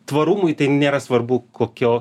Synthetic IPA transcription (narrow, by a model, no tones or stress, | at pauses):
t̪ʋɐɾuːmʊɪt̪ɐɪnʲeːɾɐsʋɐrbukʰoːkʲoː